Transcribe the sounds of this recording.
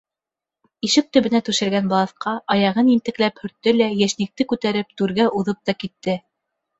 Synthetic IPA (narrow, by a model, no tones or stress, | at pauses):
iʃɘk̚t̪ɵ̆βɘ̆næt̪ʉʃɘ̆ɾɡænbɑlˠɑθqɑʔɑjɑʁɤnint̪ɘ̆klæphɵ̆ɾt̪ːɘlæjæʃnĭk̚t̪ɘkʉt̪æɾɘp̚t̪ʉɾɡæʔuðɤp̚t̪ɑkit̪ːɘ